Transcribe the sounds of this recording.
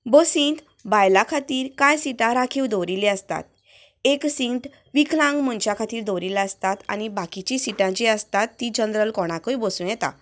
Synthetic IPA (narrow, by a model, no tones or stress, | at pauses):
bəsĩnt̪ | bajlakʰat̪iːɾkajsiʈãɾakʰiwd̪ɔɾileəst̪a̰t̪̚ | eksĩɳʈ | ʋikʰlãŋɡməɳt͡ɕakʰat̪iːɾd̪ɔɾilaəst̪at̪a̰ñibakit͡ɕisiʈãt͡ɕiəst̪at̪ːid͡ʑənd̪ɾəlkɔɽ̃akəjbəsũːjɛt̪a̰